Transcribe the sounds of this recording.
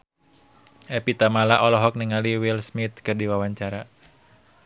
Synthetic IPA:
ʔɛpit̪amalaʔɔlɔɦɔk̚niŋaliwilsmit̪̚kɨrdiwawaɲt͡ʃaɾa

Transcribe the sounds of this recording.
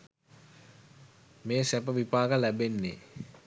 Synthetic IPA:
meːsæpəʋipaːɡəlæbenːḛ

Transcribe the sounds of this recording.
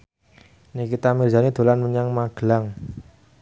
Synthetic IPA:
nikit̪amirzanid̪̥o̤lanməɲaŋmaɡ̥əlaŋ

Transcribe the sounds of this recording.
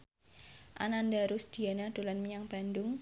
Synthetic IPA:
ʔa̰nandaɾʊsd̪̥i̤anad̪̥o̤lanmiɲaŋb̥andʊŋ

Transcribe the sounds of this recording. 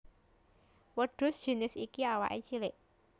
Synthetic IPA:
wəɖ̥ʊ̤sd̥ʒ̥i̤nɪsikiawa̰ʔet͡ʃilɪʔ

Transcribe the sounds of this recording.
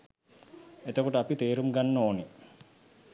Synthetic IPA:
et̪əkuʈəapit̪eːɾumɡanːəoːne

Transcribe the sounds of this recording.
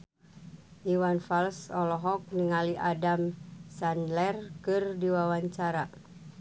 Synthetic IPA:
ʔiwanfalsɔlɔɦɔk̚niŋaliʔadamsanlɛrkɨrdiwawaɲt͡ʃaɾa

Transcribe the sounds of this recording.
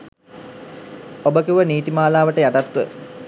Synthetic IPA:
obəkiʋəniːt̪imaːlaːʋəʈəjaʈat̪ʋə

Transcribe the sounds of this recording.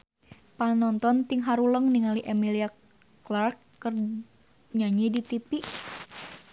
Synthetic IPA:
panɔnt̪ɔnt̪iŋɦaɾuləŋniŋaliʔɛmilia | klarkːər | ɲaɲidit̪ipi

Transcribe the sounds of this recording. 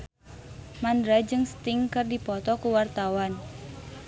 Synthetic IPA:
mandɾad͡ʒɨŋst̪ɪŋkɨrdipɔt̪ɔkuwart̪awan

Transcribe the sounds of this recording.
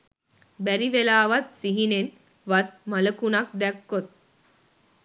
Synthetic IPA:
bæɾiʋelaːʋat̪̚siɦinen | ʋat̪̚maləkunak̚d̪ɛkːot̪̚

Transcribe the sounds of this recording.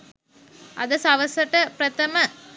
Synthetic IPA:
ʔɐ̰d̪ɐsɐʋɐsɐʈɐpɾɐt̪ɐmɐ

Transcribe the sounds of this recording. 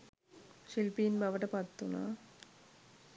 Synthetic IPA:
ʃilpiːnbɐʋɐʈɐpɐt̪ːuna̰

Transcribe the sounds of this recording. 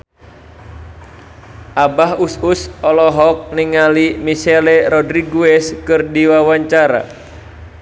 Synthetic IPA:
ʔabaɦususɔlɔɦɔk̚niŋalimisɛlɛɾɔdɾiɡuɛskɨrdiwawaɲt͡ʃaɾa̰

